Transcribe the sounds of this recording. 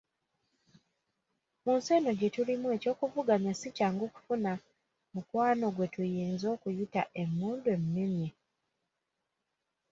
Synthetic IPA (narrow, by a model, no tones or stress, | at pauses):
munseno̞ɟe̞tulimue̞co̞ːkuvuɡaɲasicaːŋɡoːku̥funa | mukwaːno̞ɡwe̞tujiːnzo̞ːkujutaʔe̞mːuːndue̞mmimje